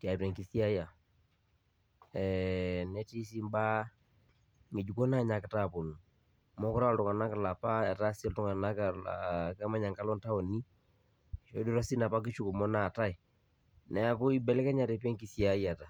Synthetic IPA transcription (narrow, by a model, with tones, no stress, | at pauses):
ta˨tɛ˨ŋkɪ˦θja˦ja˨ | ɛ˨nɛ˦ti˦si˦mba˦ | ŋɡɪ˨d͡ʒu˨kɔ˦na˦ɲa˨kɪ˨ta˨po˨nu˨ | mɔ˦kʊ˦ɾa˦˨ltʊ˨ŋa˨na˦ka˨la˨pa˦a˨ta˦sɛ˦ltʊ˨ŋa˨na˦ka̰˨kɛ˦ma˦ɲa˨ŋka˦lɔ˦nta˦o˨ni˦ | ʃo˦du˦ɾa˦si˦na˨pa˦k̬ɪ˦t͡ʃu˦ko˨mɔ˦na˨ta˦ɪ˨ | nɛ˨a˨ko˦i˦bɛ˨lɛ˦kɛ˦ɲa˨ɾe˨pɛ˦ŋki˦θja˨ja˨ta˨